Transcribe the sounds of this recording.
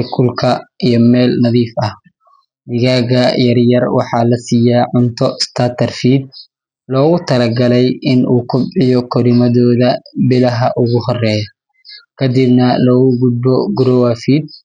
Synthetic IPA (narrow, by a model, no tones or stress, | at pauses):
kʰʊlkʰɐijɔmɛːlnɐðiːfɐh | mɪɣaːɣɐjɐrjɐrwɑħɑːlɐsiːjaːʕʊnt̪ʰɔst̪ʰat̪ʰɐrfiːd̪̚ | lɔːɣʊt̪ʰɐlɐɡɐlɛjɪnʔuːkʰʊbʕɪjɔkʰɔɾɪmɐðɔːðɐbɪlɐɦɐʔʊɣʊɦɔrɛːjɐ | kʰɐd̪ɪbnɐlɔːɣʊɡʊd̪̚bɔɡɾɔwafiːd̪̚